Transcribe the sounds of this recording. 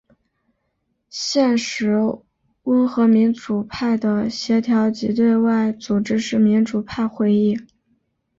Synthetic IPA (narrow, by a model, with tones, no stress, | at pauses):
ɕjɛ˥˩nʂɻ̩˧˥ | u˥xɤ˧˥mi˧˥nʈ͡ʂu˨˩pʰa˥˩ɪd̪ə˩ɕjɛ˧˥t̪ʰjɑ˧˥ʊt͡ɕḭ˧˥t̪̬we˥˧ɪwa˥˩ɪt͡su˨˩ʈ͡ʂɻ̩˥ʂɻ̩˥˩mi˧˥nʈ͡ʂu˨˩pʰa˥˧ɪxwe˥˧ɪi˥˩